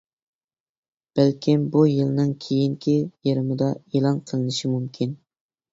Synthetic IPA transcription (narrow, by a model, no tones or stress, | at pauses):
b̥ælkʲʰimbujɨlˠnɨŋkʲʰejiŋkʲʰijeɾɪmɨd̪ɑelˠɑnqʰəlˠɨnɪʃimumkʲʰin